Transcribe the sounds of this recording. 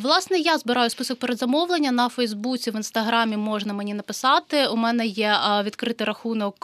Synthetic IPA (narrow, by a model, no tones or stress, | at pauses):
ʋlˠɑsnɛjazbɪɾɑjʊspɨsɔk̚peɾed̪zɐmɔʋlˠenʲːɐnɐfɛjzbut͡sʲiʋɪnst̪ɐɦɾɑmʲimɔʐnɐmenʲinɐpɪsɑt̪ɪumɛnɛjɛʋʲid̪kɾɪt̪ɪjɾɐxunɔk